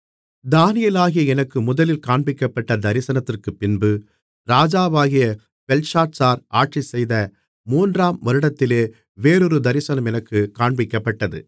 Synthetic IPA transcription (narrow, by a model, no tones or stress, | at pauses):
d̪aːnɪjɐlaːɣɪjɐɛnɐkːɯmʊðɐlɪlkaːɳbɪkːɐpːɐʈːɐd̪ɐɾɪsɐnɐt̪ːɪrkɯpːɪnbɯ | ɾaːd͡ʒaːʋaːɣɪjɐ | pɛlsaːʈsaːɾaːʈt͡ʃisɛjðɐ | muːndraːmʋɐɾɯɽɐt̪ːɪleː | ʋeːɾɔɾɯd̪ɐɾɪsɐnɐmɛnɐkːɯkaːɳbɪkːɐpːɐʈːɐðɯ̰